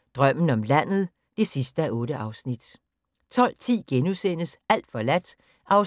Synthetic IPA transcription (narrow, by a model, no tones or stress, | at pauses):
d̥ʁɶm̰n̩ɒ̽mlæn̰ð̞̩ˠ | d̥e̝sisd̥əæʔɔ̽ːɾəʔɑ̈ʊsnid̥ | t͡sʰɒ̽l̰t͡sʰḭːɡ̥enusenəsʔæl̰d̥fɒ̽læd̥ | ʔɑ̈ʊ